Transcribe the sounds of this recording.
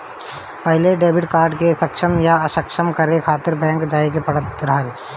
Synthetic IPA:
pəɦleɖeːbɪʈkaːɾɖkesəkʃəmjaəʃəkʃəmkəɾekʰaːt̪ɪɾbɛ̃ːŋkd͡ʒaːekepɐɽət̪ɾəɦəl

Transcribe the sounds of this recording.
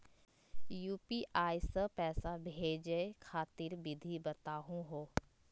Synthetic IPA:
juːpiːʔaːisəpɛːsabʱeːd͡ʒekʰaːt̪ɪɾbɪd̪ʱibɐt̪aːɦũɦoː

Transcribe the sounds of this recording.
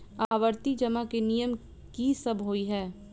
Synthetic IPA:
aːʋəɾt̪id͡ʒɐmakenijəm | kisɐbʱɦoːiɦɛː

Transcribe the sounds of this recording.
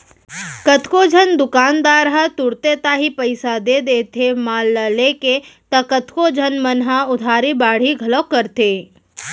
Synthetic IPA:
kət̪ʰkod͡ʒʱənd̪ʊkaːnd̪aːɾɦət̪ʊɽt̪et̪aɦipəɪsad̪ed̪eːt̪ʰemaːlːəleket̪ɐkət̪ʰkod͡ʒʱənmənɦaʊd̪ʱaːɾibaːɽ̤iɡʱɐləkəɾt̪eː

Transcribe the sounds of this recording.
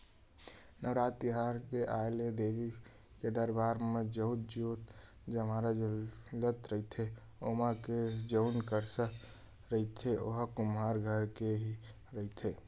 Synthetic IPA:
nəʋɾat̪ːiɦaɾkeʔaeled̪ebi | ked̪əɾbaːɾmed͡ʒət̪̚d͡ʒot̪ | d͡ʒəmaɾalət̪ɾəɦit̪ʰe | omaked͡ʒəʊnkəɾsək | ɾəɦit̪ʰeoɦkumaɾɡʱəɾkeɦi | ɾəɦit̪ʰe

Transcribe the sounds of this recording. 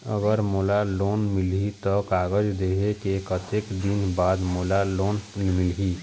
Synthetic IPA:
ə̰ɡəɾmoːlaloːnmɪlɦit̪ɔkaːɡəd͡ʒd̪eɦekekət̪eːkd̪inbaːd̪moːlaloːnmɪlɦi

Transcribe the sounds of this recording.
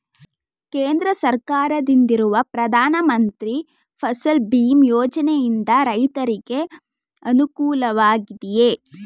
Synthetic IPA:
keːnd̪ɾɐsɐɾkaːɾɐd̪ind̪iɾuʋɐpɾɐd̪ʱaːnɐmɐnt̪ɾi | pʰɐsɐlbiːmjɔːd͡ʒɐnejind̪ɐɾɐjt̪ɐɾiɡe̞ | ɐnukuːlɐʋaːɡid̪ije

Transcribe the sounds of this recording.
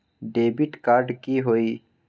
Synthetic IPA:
ɖeːbɪʈkaːɾɖkiɦoːiː

